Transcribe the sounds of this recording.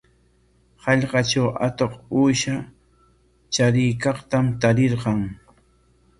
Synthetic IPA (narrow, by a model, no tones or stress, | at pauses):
hɑʎqɑt͡ʃawʔa̰t̪oquːʃa | t͡ʃaɾɪjkɑχt̪amt̪aɾɪɾqɑŋ